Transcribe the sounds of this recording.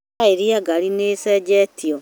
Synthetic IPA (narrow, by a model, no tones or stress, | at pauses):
aiɾiaɡaɾinesɛd͡ʒɛtio